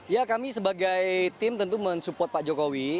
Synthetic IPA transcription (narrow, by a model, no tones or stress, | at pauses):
jakamisəbaɡajt̪ɪmt̪ənt̪̬umənsupɔrt̪̚paʔd͡ʒokowi